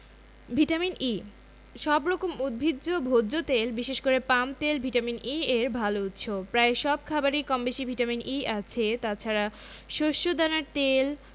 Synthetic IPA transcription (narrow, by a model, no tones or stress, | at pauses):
bʱiʈamini | ʃɔbɾɔkomud̪̚bʱid̪d͡ʑobʱodʑot̪elbiʃeʃkoɾepamt̪elbʱiʈaminieɾbʱalout̪ːɕʰopɾaeʃɔb̚kʰabaɾikɔmbeʃibʱiʈaminiat͡ɕʰet̪at͡ɕʰaɾa | ʃoʃːod̪anaɾt̪el